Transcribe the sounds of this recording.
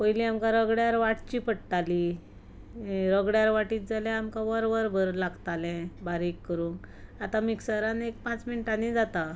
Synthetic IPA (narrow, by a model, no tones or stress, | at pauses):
pojliamkãɾəɡɽjaɾʋaʈt͡ɕiːpəɽʈali | ɾəɡɽjaɾʋaʈiːt̪̚d͡zalãamkaʋəɾʋəɾbʱəɾlaɡt̪alɛ̃baɾikːəɾũŋkat̪amiksəɾanek̚pãt͡sminʈanid͡zat̪a